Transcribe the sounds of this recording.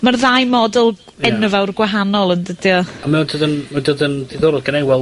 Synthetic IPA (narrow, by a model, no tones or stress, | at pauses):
marðajmɔdɛlˠ | ɛnəvawrɡwaɦanɔlˠəndədjɔamɛdʰodənmədodəndiðoːɾɔɡənejwɛlˠ